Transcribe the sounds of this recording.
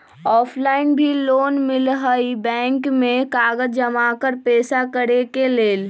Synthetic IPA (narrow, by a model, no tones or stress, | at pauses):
ɔːpʰlaːɪnbʱiloːnmɪlɦəibɛ̃ːŋkmẽkaːɡəd͡ʒəmakəɾpeːsakəɽekeleːl